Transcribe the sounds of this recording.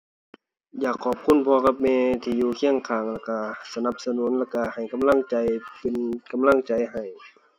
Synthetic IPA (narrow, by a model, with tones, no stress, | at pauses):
jaː˨˩kʰːɔː˨˩p̚kʰu˧˥˨npʰɔː˧ka˧˥p̚mɛː˧t̪ʰiː˧˨juː˧kʰi˧˥˩əŋkʰaː˨˩ŋla˧˩ka˧˩sa˧na˧˦p̚sa˧nuː˨˦˥nlaː˧˩ka˧˩ha˨˩jka˧˨mla˧˥˨ŋt͡ɕa˧jpe˧˨nka˧˨mla˧˥˨ŋt͡ɕa˨jɦa˨˩j